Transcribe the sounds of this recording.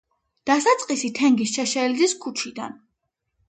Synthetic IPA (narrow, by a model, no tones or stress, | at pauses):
d̪̥asat̪sʼqʼisit̪ʰɛŋɡisʃɛʃɛld̪iskʰut͡ʃʰid̪a̰n